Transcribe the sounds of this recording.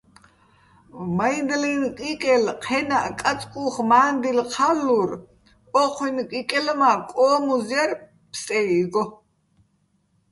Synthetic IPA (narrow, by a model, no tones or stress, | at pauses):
maind̪lɛnkʼikʼɛlqʰɛnaʔkʼat͡sʼkʼuχmaːnd̪ilqʰalːur | ɔqʰwinkʼikʼɛlmakʼɔːmuzjar | pʰsʼɛiɡɔ